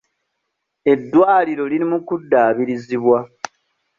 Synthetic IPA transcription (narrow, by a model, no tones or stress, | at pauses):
e̞dːwaːliɾo̞liɾimukudːaːβiɾiziβwa